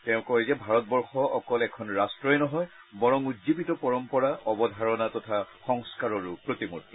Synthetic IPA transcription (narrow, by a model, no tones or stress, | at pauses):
tɛ̃ʊ̃kɔzɛbʱaɹɔt̚bɔɹxɔʔɔkɔlɛkʰɔnɹastɹɔɛnɔɦɔj | bɔɹɔŋutzibitɔpɔɹɔmpɔɹaʔɔbɔdʱaɹɔnatɔtʰaxɔŋskaɹɔɹupɹotimuɹti